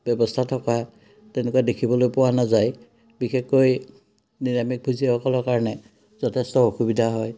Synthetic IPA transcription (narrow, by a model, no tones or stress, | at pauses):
b̥jɔbɔstʰatʰɔka | tɛnekuadekʰibɔlojpʊwanazaj | bixekːoj | dinamik̚bʱuziaɔkɔlɔɹkaɹɔnɛ | zɔtʰɛstɔoxubidʱaɦɔj